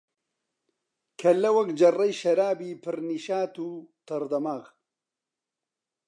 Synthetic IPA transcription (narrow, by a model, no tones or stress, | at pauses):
kʰɐlɐwɐkd͡ʒɐrɐjʃɐɾaːbiːpʰɨɾniʃaːt̪ut̪ɐɾd̪ɐmaɣ